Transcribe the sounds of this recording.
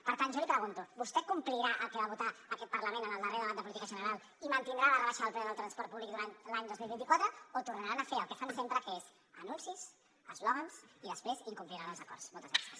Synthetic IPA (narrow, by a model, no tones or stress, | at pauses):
pəɾt̪anʒalipɾəɣunt̪ubust̪ɛkumpliɾaʔəlˠkəβaβut̪aəkɛt̪̚pəɾləmenənəlˠd̪əreɾəðəβand̪əp̬ulit̪ikəʒənəɾalˠ | imənt̪ind̪ɾalərəβaʃəðəlˠplɛðəlˠt̪ɾənspɔɾt̪̚puβlik̚d̪uɾant̪laɲd̪ozmilβint̪ikwat̪ɾəot̪uɾnəɾanəfeəlˠkəfansempɾəkəez | ənunsis | əzlɔɣənsiðəspɾeziŋkumpliɾanəlˠzəkɔ̰ɾsmolˠt̪əzɾasə̥s